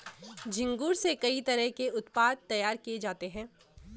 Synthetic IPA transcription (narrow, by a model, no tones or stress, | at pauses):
d͡ʒɪ̃ŋɡuːɾsekɐit̪ɐɾəɦkeʊt̪paːd̪̚t̪ɐjaːɾkijed͡ʒaːt̪eɦɛ̃ː